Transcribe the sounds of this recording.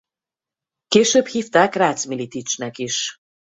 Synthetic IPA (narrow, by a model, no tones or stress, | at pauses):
keːʃøːbhiːft̪aːkraːt̪smilit̪it͡ʃnɛkiʃ